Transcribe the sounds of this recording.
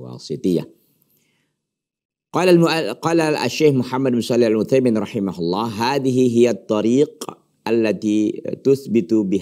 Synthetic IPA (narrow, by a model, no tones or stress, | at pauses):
wɑ̰ːsˤɨt̪ˤɨjːa̰ | qɑːlqɑːlaa̰ʃːeːxmʊħamːad̪mʊsˤɑlːɪħalmʊθajmɪnɾˤɑħɪmahʊlˤːɑːɦaːðɪɦɪɦɪjat̪ˤːɑɾiːq | ʔalːat̪iːt̪ʊθbɪt̪bɪh